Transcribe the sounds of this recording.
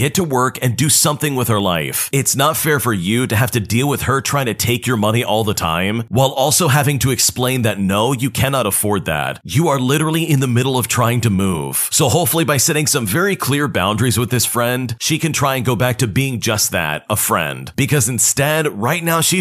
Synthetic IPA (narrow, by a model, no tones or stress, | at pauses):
ɡ̥ɛtʰəwɜ˞kɨ̃ndɨsʌ̃mθɪ̃ŋwɨð̥ə˞la̰ɪfɪtsnətfɛɹfə˞jɨɾɨɦæftɨdilˠwɨð̥ə˞tʰɹ̥aɪɪ̃ŋtʰɨtʰeɪkjə˞mʌñiʔɔlˠðətʰã̰ɪ̃mwaɪlˠɔlˠsoʊɦævɪ̃ŋtʰɨɨksplẽɪ̃nðɨtⁿnoʊjɨkʰænɑɾəfɔɹd̪̚ðæ̰t̚jɨə˞lɪɾə˞l̩ˠiɨ̃nðɨmɪɾl̩ˠʌv̥tʰɹ̥aɪɪ̃ŋtɨmṵv̥soʊɦoʊpfl̩ˠibaɪsɛɾɪ̃ŋsʌ̃ɱvɛɹikʰl̥ɪɹbã̰ʊ̃ndɹizwɨðɪsfɹɛ̃nd̥ʃikɨ̃ntʰɹ̥aɪɨ̃nɡoʊbæk̚tʰɨbiɪ̃ŋd͡ʒʌst̪̚ðæ̰ɾ̚əfɹɛ̰̃nd̥b̥ɨkʰʌzɨ̃n̩stɛd̚ɹaɪtⁿnaʊʃi